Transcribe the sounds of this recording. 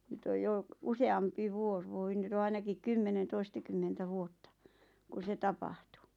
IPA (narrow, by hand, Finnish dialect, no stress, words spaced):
nyt oj jo useɑmpi ʋuos ʋoi nyt o ɑinɑkik kymːenen toistɑkymːentæ ʋuotːɑ ku se tɑpɑhˑtu